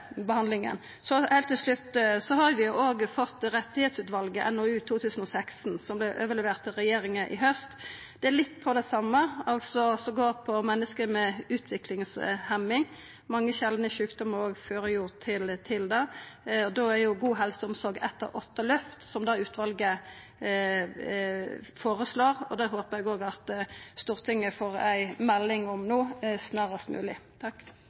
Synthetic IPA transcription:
bəhɑnd̪lɪŋə̰n | sɔheːlt̪ʰːɪlʂɭʉt̪ːsɔɦɑɾjʋɪjʊʔoːɡfɔt̪ːɾɛt̪ːɪhɛːt̪sʉːt̪ʋɑlɡəʔɛ̰nːɔʉːt̪ʰuːt̪ʰʉːsən̩ɔsæksnsɔmblɛʔøːʋəlɛʋeːʁt̪ɪɾɛjeːɾɪŋəʔɪ̰ɦœst̪ | d̪ɛælɪt̪ːpʰɔd̪ɛsɑmːəɑlsɔsɔɡoːɾpʰɔmɛnːəskəɾmɛʉːt̪ʰʋɪklɪŋshɛmːɪŋ | mɑŋːəɕɛld̪nəʃʉːkd̪ɔməɾoːɡføːɾəjuːʁt̪ʰɪlt̪ʰɪld̪ɛɔd̪oæɾjʊɡuːɦɛlsəʊmsɔɾɡɛt̪ːə̰ʔɔt̪ːəlœft̪sɔmd̪ɑːʉːt̪ʰʋɑlɡə | foːɾəsloːɾɔ̰d̪ɛɦoːpəɾɛɡoːɡɑt̪st̪uːʁt̪ʰɪŋːəfoːʁæɪmɛlːɪŋɔmnoːsnɑːʁəst̪mʉ̰ːlɪt̪ʰɑkː

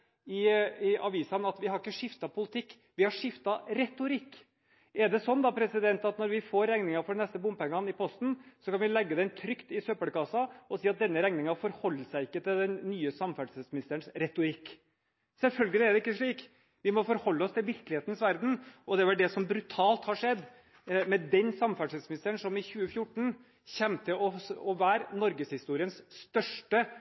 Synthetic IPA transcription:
ɪɪɑʋiːsɑnɑt̪ʋɪhɑɾɪkːəʂɪft̪ɑpʰʊlɪt̪ʰɪkː | ʋɪhɑʂɪft̪ɑɾɛt̪ʊɾɪkː | ɛɖɛsɔnːd̪ɑpʰɾɛsɪd̪ɛnt̪ɑt̪nɔɾʋɪfoːɾːæŋnɪŋɑfɔɾɛnɛst̪əbʊmpɛŋːɑnɪpʰɔst̪n̩sɔkʰɑnʋɪlɛɡːəd̪ɛnt̪ʰɾʏkt̪ɪsøpəɽkɑsɑɔsiːɑt̪̚d̪ɛnːəɾɛŋnɪŋɑfɔɾhɔlːəsæɪɪkːət̪ʰɪld̪ɛnːyːəsɑmfæɖsɛsmɪnɪst̪əɾəɳsɾɛt̪ʊɾɪkː | sɛlfœlɡəlɪæɾɖɛɪkːəʂɭiːk | ʋɪmɔfɔɾhɔlːəɔst̪ʰɪlʋɪɾkəlɪheːt̪nsʋæɾd̪n̩ʔɔd̪ɛʋɛlɖɛsɔmbɾʉt̪ʰɑːlt̪hɑʂɛd̪ː | mɛd̪ɛnsɑmfæɖʂɛt̪smɪnɪst̪əɾəɳsɔmɪçʉːəfjʊʈːɳ̩ | çɛmt̪ʰɪlɔɔʋæːɾnɔɾɡəshɪst̪uːɾɪənsst̪œʂʈə

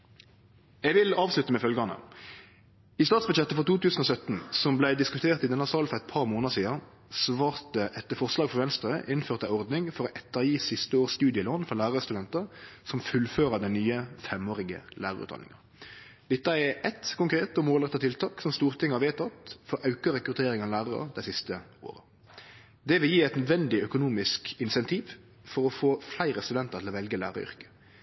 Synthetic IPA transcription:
ɛːɡʋɪlɑːʋslʉt̪əmɛfœlɡɑnə̰ | iːst̪ɑːt̪sbʉd̪jɛt̪ːəfɔʁt̪uːt̪ʉːsən̩oːsœt̪nsɔmblæɪd̪ɪskʉt̪ʰeːʁt̪ɪd̪ɛnːɑsɑːlfɔʁɛɪt̪̚pʰɑʁmoːnəəsiːɑ | sʋɑːʁt̪əʔɛt̪ːəfɔʁslɑːɡfɔʁʋɛnst̪ɾəʔɪnføːʁt̪æɔʁd̪nɪŋfɔʁɔʔɛt̪ːəʁjiːsɪst̪əoːst̪ʉːd̪ɪəloːnfɔʁlæːʁɑɾəst̪ʉd̪ɛnt̪əʁsɔmfʉlføːʁəd̪ɛnnyːəfɛmoːɾɪɡə̰læːʁɑʁʉ̰ːt̪ːɑ̰nɪ̰ŋɑ | d̪ɪt̪ːəɛɛt̪kʊŋkɾeːt̪ɔmoːlʁɛt̪ːɑt̪ʰɪlt̪ʰɑːksɔmst̪uːʁt̪ɪŋːəhɑʁʋeːt̪ʰɑt̪fɔɾʔɑʉkəɾɛkɾʉt̪ʰeːɾɪŋɑʋlæːʁɑɾə̰d̪æɪsɪst̪əo̰ːɾə | d̪ɛʋɪljiːæɪt̪nœd̪ʋɛnd̪ɪœkʊnuːmɪskɪnsɛnt̪ʰiːʋ | fɔɾɔfoːflæɪɾəst̪ʉd̪ɛnt̪əʁt̪ʰɪlɔʋɛlɡəlæ̰ːʁɑ̰ʏ̰ʁkə̥

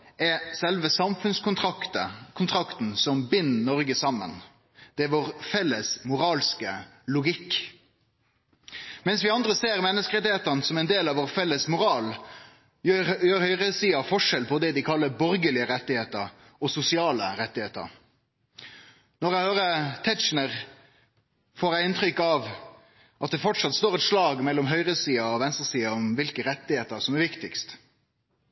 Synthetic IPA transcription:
ɛsɛlʋəsɑmfʉnskʊəkʰʊnt̪ʰʁɑkt̪n̩sɔmbɪnːnɔʁɡəsɑmːə̰n | d̪̥ɛʋoːʁfɛlːəsmʊʁɑːlskəlʊɡɪkː | mɛnsʋɪɑnd̪ʁəseːʁmɛnːəskəʁɛt̪ːɪheːt̪əʁnəsɔmɛɪnd̪eːlɑʋoːʁfɛlːəsmʊɾʁɑːl | jøːjøːɾhœʏʁəsiːɑfɔʂɛlpʰɔd̪ɛd̪ɪkʰɑlːəbɔɾɡəlɪəɾɛt̪ːɪheːt̪əɾ | ɔsʊsɪɑːləɾɛt̪ːɪheːt̪ə̰ɾ | nɔɾæɪhøːɾət̪ʰɛt͡ʃnəʁ | foːɾæɪɪnt̪ɾʏkːɑʋ | ʔɑt̪̚d̪ɛfɔʈʂɑt̪st̪oːʁɛt̪ʂlɑːɡmɛlːɔmɦœʏʁəsiːɑɔʋɛnst̪əsiːɑɔmʋɪlkəɾɛt̪ːɪheːt̪əɾsɔmæɾʋɪkt̪ɪkst̪

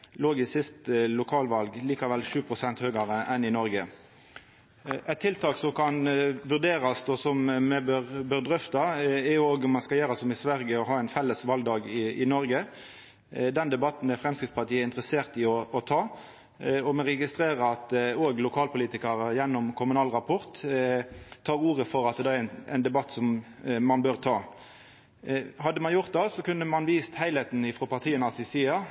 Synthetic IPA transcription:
loːɡɪsɪst̪lʊkʰɑːlʋɑlɡliːkɑʋɛlʂʉːpʰʁʊsɛnt̪høːɡɑʁəʔɛnɪnɔɾɡə | ɛt̪ʰːɪlt̪ʰɑːksɔmkʰɑnʋʉʁd̪eːʁɑst̪ɔsɔmmɛbøʁbøːʁd̪ʁʏft̪ɑɛjʊoːɡʊmɑnskɑljeːɾɑsɔmɪsʋæʁɡəɔɦɑːæɪnfɛlːəsʋɑlɡ̪d̪ɑːɡɪɪnɔɾɡə | d̪ɛnd̪ɛbɑt̪n̩d̪ɛfʁɛmskʁɪtspʰɑʁt̪iːəɪnt̪ʁəseːʁt̪ɪɔɔt̪ʰɑː | ɔmɛʁɛɡɪst̪ɾeːʁəɑt̪oːɡlʊkʰɑːlpʊliːt̪ɪkəɾəjɛnːɔmkʰʊmʉnɑːlʁɑpʰɔʁt̪ | t̪ʰːɑːʁuːʁəfɔɾɑt̪̚d̪ɛnɛ̰ɪnd̪ɛbɑt̪ːsɔm | mɑnbøːʁt̪ʰɑː | hɑd̪ːəmɑnjʊʁt̪̚d̪ɛsɔkʉnːəmɑnʋiːst̪hæɪlet̪n̩ɪfʁɔpɑʁt̪ʰiːənɑsɪsiːɑ

